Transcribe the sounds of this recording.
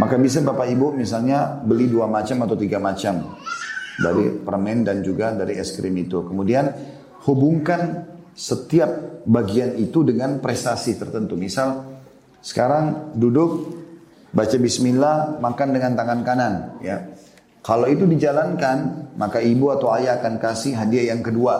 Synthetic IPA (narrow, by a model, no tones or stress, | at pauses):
makabis̬abapaibumis̬alɲabəliduamat͡ʃamat̪awt̪iɡamat͡ʃam | badipərmɛndand͡ʒuɡadaɾiɛskɾimit̪ukəmudian | hubuŋkan | sət̪iap̚baɡianit̪udəŋanpɾest̪asit̪ərt̪ənt̪umisal | sə̥kaɾaŋdudʊk̚ | bat͡ʃabismilamakandəŋant̪aŋankananja | kalawit̪̬udid͡ʒalankanmakaibuat̪awajaːkankasiɦadiajaŋkədua